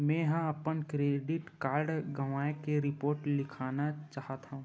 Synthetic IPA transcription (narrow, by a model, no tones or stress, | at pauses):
mɛ̃ɦãɐpənkɾeːɖɪʈkaːɾɖɡɐʋaːekeɾɪpoːɾʈlɪkʰaːnat͡ʃaːɦət̪ɦaũː